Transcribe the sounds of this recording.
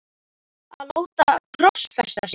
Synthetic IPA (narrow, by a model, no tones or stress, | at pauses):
aðloːwt̪ak̪ʰɾɔsfɛst̪as